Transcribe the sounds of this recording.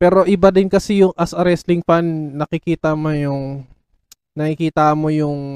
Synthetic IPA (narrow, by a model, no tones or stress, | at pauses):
pɛːɾo̞ʔɪbad̪ɪnkɐsɛjʊŋʔɐsʔɐɾɛst̪lɪŋpanːɐkɪkiːt̪ɐmojʊŋ | nɐkɪkiːt̪amo̞jʊŋ